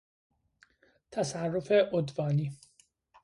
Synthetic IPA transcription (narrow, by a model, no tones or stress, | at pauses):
t̪ʰæsærːofeʔod̪vɒːniː